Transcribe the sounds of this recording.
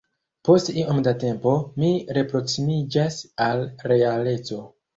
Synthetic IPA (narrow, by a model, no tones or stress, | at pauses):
po̞stiʔomdate̞mpo̞miɾe̞pɾo̞ksimid͡ʒasalɾe̞ale̞t͡so̞